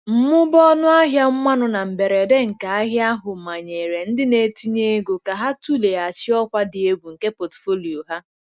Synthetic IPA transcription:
m̩˦mʊ˦bɔ˦nʊ˦a˦ɦja˦ŋ͡m̩˦mʷa˦nʊ˨na˨m̩˨be˨ɾe˨de˦ŋ̩˨ka˨a˦ɦja˦ɦʊ˨ma˨ɲe˨ɾe˨n̩˦dɪ˦ne˨ti˦ɲe˦ɡo˨ka˨ɦa˦tu˦le˨a˨t͡ʃɪ˦ɔ˦kʷa˦dɪ˨e˦ɡʷu˨ŋ̩˨ke˦po˨tfo˦li˨o˨ɦa˦

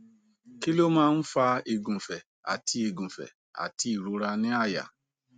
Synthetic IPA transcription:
ki˦lo˦mãː˦n̩˦fa˧e˨ɡũ˨fɛ˨ | a̰˨ti˧e˨ɡũ˨fɛ̰˨ | a̰˨ti˧i˨ɾu˨˦ɾa˧nĩ˦a˦˨ja̰˨

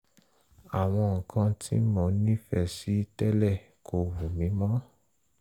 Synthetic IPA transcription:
a˨w̃ɔ̃˧˨kʰã˧tʰi˦mɔ̃˨nĩ˦fɛ˦˨si˨˦tɛ˦lɛ˦˨ | kʰo˧wu˨mĩ˨˦mɔ̃˦

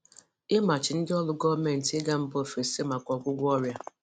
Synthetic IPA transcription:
ɪ˦ma˨t͡ʃɪ˨n̩˦dɪ˦ɔ˦lʊ˦ɡɔ˦me˨n̩˨tɪ˦ɡa˦m̩˦bo˦˨fe˨se˦ma˨kʷɔ˨ɡʷʊ˦ɡʷɔ˦ɾja˦

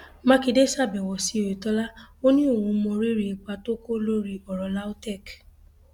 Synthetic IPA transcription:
mã˦ki˧de˦sa˦˨bɛ˨wɔ˨si˧˦o˨e˨tɔ˦la˦o˦nĩ˦o˦˨wũ˧mɔ̃˧ɾi˦ɾi˨˦˧k͡pa˧to˦ko˦lo˦ɾi˧ɔ˨ɾɔ˨la˦o˦tɛ˦˨k

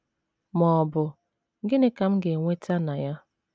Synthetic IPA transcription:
mɔ˨bʊ˨ | ŋ̩˦ɡe˦ne˦ka˨m̩˦ɡe˨ŋʷe˦tʰa˦na˨ja˦

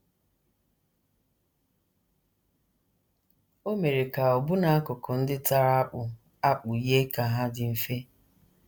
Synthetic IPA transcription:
o˦me˨ɾe˨ka˨ɔ˨bʊ˦na˨a˦kʊ˨kʊ˨n̩˦dɪ˦ta˨ɾa˦a˦k͡pʊ˨ | a˦k͡pʊ˨je˦ka˨ɦa˦dɪ˨m̩˨fe˦

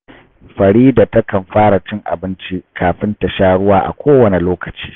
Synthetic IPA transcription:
ɸɐ˨ɽiː˦da˨tɐ˦kɐ˨mɸaː˦ɽa˨t͡ʃɪ˦ŋʔa̰˨bɪ˦nt͡ʃi˦kʰaː˨ɸɪ˦nta˨ʃaː˦ɽʊ˦waː˦ʔa̰˨kʷʰoː˦wɐ˨ne˨loː˦kɐ˨t͡ʃi̥ː˦

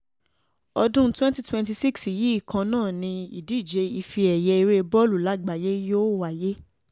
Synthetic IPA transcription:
ɔ˧dũ˦twɛ̃˦nti˦twɛ̃˧nti˧si˦ksi˨ji˨˦i˦˨kʰã˧nãː˦˨nĩ˧i˨di˨˦˨d͡ʒe˧i˧fi˧ɛ˨jɛ˧i˧ɾe˧bɔ˦lu˨la˨˦ɡ͡ba˨je˦jo˦wa˦˨je˦

